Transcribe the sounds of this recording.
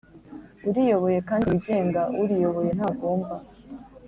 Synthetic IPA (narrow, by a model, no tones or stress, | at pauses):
uɾijo̞βo̞je̞kaːndiːɟe̞ːŋɡauɾijo̞βo̞je̞nhaɡo̞ːmba